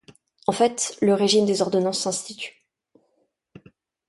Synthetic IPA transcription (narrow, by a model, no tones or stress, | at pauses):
ɑ̃fɛt̪ləʁeʒimd̪ezɔʁd̪ɔnɑ̃sːɛ̃st̪it̪y̥